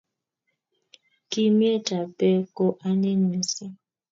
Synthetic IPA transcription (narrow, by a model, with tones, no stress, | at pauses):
ki˦mje˦ta˨pɛ˦ko˦ʔa˦ne˦n˨i˨si˦